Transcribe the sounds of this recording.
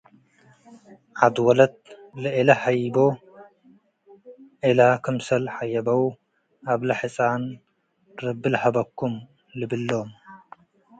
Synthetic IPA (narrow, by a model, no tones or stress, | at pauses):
ʔad̪wɔlɐt̪̚lɨʔilɐħajbo | ʔilakʰɨmsɐlħajːɐbɐw | ʔaβlɐħɨt͡sʼan | ɾɨbːɨlħɐbɐkʰːum | lɨbɨlːom